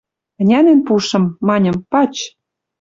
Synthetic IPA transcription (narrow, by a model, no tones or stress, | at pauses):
ə̆nʲænenpuʃɤ̆mːɑnʲɤ̆mpɑt͡ɕ